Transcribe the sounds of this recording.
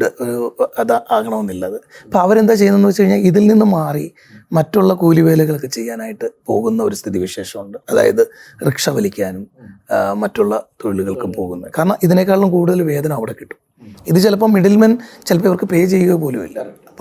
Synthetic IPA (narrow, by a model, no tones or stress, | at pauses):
ɨoɾuɐðaːkɐɳɐmonːilːɐɐðɨɐpːoɐʋɐɾe̞nd̪aːt͡ɕejunːenːɨɐt͡ɕːkɐɻiɲːaːliðilninːɨmaːri | mɐtːuɭːɐkuːliʋe̞ːlɐɣɐɭkɨt͡ɕe̞jːaːnaːjiʈːɨpo̞̰ːɣunːɐoɾust̪ʰiðiʋiʂe̞ːʂɐmuɳɖɨɐða̰ːjɐðɨrekʂɐʋɐlikʲːaːnumː | ɐtːuɭːɐt̪oɻiɭuɣɐɭkɨpo̞ːɣunːɐkaːɾɐɳɐmʔiðine̞kːaːɭlumkuːɽuðɐlʋe̞ːd̪ɐnɐmɐʋiɽekːi̥ʈːu̥ | iðɨt͡ɕelɐp̬ːomːiɖɐlmɐnt͡ɕelɐpːɐːiʋɐrkɨpe̞ːt͡ɕe̞jːuɣɐpo̞ːlumḭlːa̰rɐ